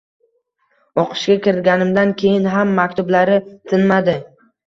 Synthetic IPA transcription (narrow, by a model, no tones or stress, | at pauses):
ɒqʰɨ̥ʃɡʲakʲɪɾɪt̪̚ɡʲanɪmd̪ankʲʰe̞jɪnɦamːakʲt̪ʊblaɾɪt̪ʰɪnmad̪ɪ